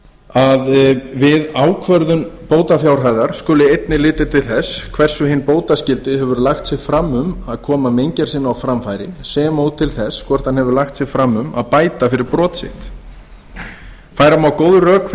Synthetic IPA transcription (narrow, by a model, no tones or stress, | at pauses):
aðvɪðaːwkʰvœɾðʏmpoːwt̪afjawɾ̥ɦajðaɾ̥skʏːlɪejt̪nɪlɪːt̪ɪt̪ʰɪlθɛskʰvɛr̥sʏɦɪnpoːwt̪ascɪlt̪ɪɦɛvʏɾlaxt̪sɪɣfɾamːʏmaðkʰɔːmamejɲcaɾ̥sɪnːaawfɾamfajɾɪsɛːmaut̪ʰɪlθɛskʰvɛr̥t̪hanhɛvʏɾlaxt̪sjɪɣfɾamːʏma̰ðpaːjt̪afɪɾɪɾpɾɔːt̪sɪ̰ht̪ | faːjɾamawkowðʏrœːk